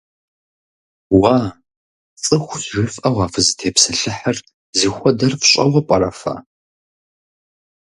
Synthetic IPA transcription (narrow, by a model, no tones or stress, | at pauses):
waː | t͡sʼɨxʷʒɨfɐʁɑːfɨzɨtʰeːpsɐɬɨħɐr | zixʷɔdɐrfɕʼɐʁʷɔpʷʼɐɾɐfa̰